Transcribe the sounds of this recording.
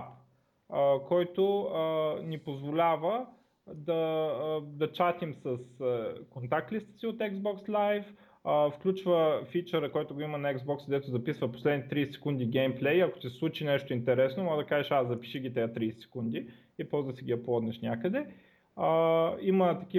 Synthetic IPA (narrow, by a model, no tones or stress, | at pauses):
p | əkɔjt̪oənipozvolʲavə | d̪ɐ | d̪ɐt͡ʃat̪imsəskont̪ak̚t̪list̪ə̥siot̪ɛɡzbɔkslajf | əfklʲut͡ʃvəfit͡ʃɛɾəkɔjt̪ʊɡoimɐnɐɛɡzbɔksɡd̪ɛt̪ʊzɐpisvəposlɛd̪nit̪t̪ɾijsɛsɛ̥kund̪ʲiɡɛjmplɛjɐko̥t̪ʲisslˠut͡ʃinɛʃt̪ʊint̪ɛɾɛsnomɔd̪ɐkaʒiʃazzɐpi̥ʃiɡʲit̪ɛjət̪ɾijsɛ̥sɛ̥kund̪i | ipɔzd̪əsiɡʲiɐplˠɔd̪nɛʃnʲakəd̪ɛ | əimət̪ɐkʲi